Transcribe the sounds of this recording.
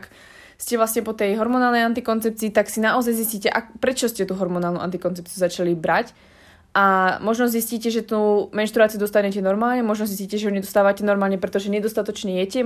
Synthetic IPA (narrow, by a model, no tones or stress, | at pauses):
k | scɛvlasɲɛpɔt̪ɛjɦɔɾmɔnaːlˠnɛjant̪ikɔnt͡sɛp̚t͡siːt̪aksinaʔɔzajzisciːcɛʔakpɾɛt͡ʃɔscɛt̪uɦɔɾmɔnaːlnuʔa̰nt̪ikɔnt͡sɛp̚t͡siuzat͡ʃalibɾac | ʔamɔʒnɔzisciːcɛʒɛt̪umɛnʃt̪ɾuat͡siud̪ɔst̪aɲɛcɛnɔɾmaːlɲɛmɔʒnɔzis̬ciːcɛʒɛɦɔɲɛd̪ɔst̪aːʋacɛnɔɾmaːlɲɛpɾɛt̪ɔʒɛɲɛd̪ɔst̪at̪ɔt͡ʃɲɛjɛcɛ